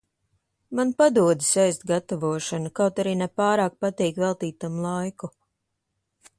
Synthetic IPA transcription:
manpad̪uɔd̪isɛjst̪ɡat̪avuɔʃanukawt̪aɾiːnɛpaːɾaːk̚pat̪iːkvɛlˠt̪iːt̪amlˠajku

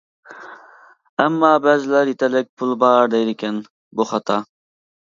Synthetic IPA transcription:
ɛmːɑːbɛːzɪlæɾjet̪ʰɛlɪk̚ʲpʰulˠbɑɾd̪ɛjd̪ɪkʲɛn | buχɑt̪ʰɑ

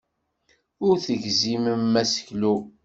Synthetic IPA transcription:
ʊɾθəʝziməmːæsə̥çlu

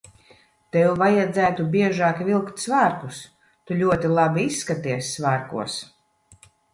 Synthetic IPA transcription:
t̪ɛwuvajad̪zæːt̪ubʲiɛʒaːkvilˠkt̪ʲsvaːɾkus | t̪ulʲuɔt̪ilˠabiisːkat̪iɛsʲsvaːɾkṵɔs

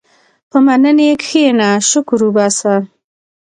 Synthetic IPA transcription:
pəmanənekxenaʃʊkʊɾubasa

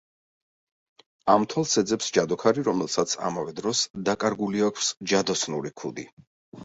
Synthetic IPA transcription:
amt̪ʰwalˠsɛd̪zɛpsd͡ʒad̪ɔkʰaɾiɾɔmɛlˠsat̪sʰa̰mavɛd̪ɾɔsd̪akʼaɾɡuliakʰsd͡ʒad̪ɔsnuɾikʰud̪i

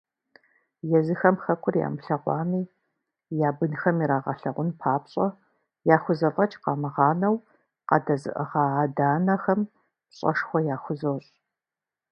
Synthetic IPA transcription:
jɛzɨxɐmxɐkʷʰʊrja̰ːmɨɬɐʁʷɑːmiː | jaːbɨnxɐmiɾaːʁɐ̰ɬɐʁʷʊnpʰaːpɕʼɐ | jaːxʷʊzɐvɐt͡ʃʼqɑːmɨʁɑːnɐw | qɐ̰dɐzɨ̰ʔəʁɑːdaːnɐxɐm | ɕʼɐ̰ʂxʷɔjaːxʷʊzoːɕʼ

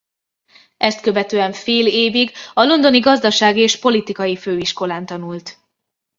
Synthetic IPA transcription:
ʔɛst̪kø̞vɛt̪øːɛɱfeːleːviɡɒlo̞nd̪o̞niɡɒzd̪ɒʃaːɡieːʃpo̞lit̪ikɒjiføːiʃko̞laːnt̪ɒnult̪

